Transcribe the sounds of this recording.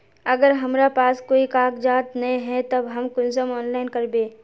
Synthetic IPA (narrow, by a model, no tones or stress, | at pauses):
ɐɡəɾɦɐmɾapaːskoːikaːkd͡ʒaːt̪nɐẽɦɛt̪ɐbɦɐmkʊnsəmɔːnlaːɪnkɐɾbeː